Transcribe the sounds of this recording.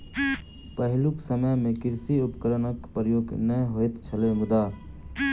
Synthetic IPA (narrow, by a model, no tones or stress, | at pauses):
pəɦluksəməjmẽkɪɾsiʊpkəɾənəkpɾəjoːɡnəɦoet̪t͡ʃʰəlemʊd̪a